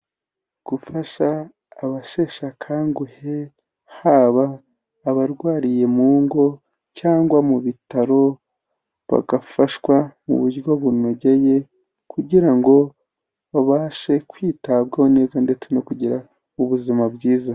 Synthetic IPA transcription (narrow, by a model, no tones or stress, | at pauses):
ɡ̥ufaʃaː | βaʃe̞ːʃakʰaːŋɡuhe̞ | haβaː | βaɾɡwaːɾije̞muːŋɡo̞ | caːŋɡwamuβitaɾo̞ | βa̰ɡafaʃwamṵβuɾɡo̞βuno̞ɟe̞je̞ | kʰuɟiɾaŋɡo̞ | βaβaːʃe̞kwiːtabɡahone̞ːzande̞t͡se̞no̞kuɟiɾa | uβuzimabɡiːza